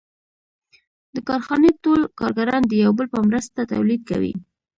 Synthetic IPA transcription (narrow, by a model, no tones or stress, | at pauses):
d̪əkɑɾxɑnet̪olkɑɾɡaɾɑnd̪əjawbəlpəmɾəst̪at̪a̰wlid̪̚ka̰wḭ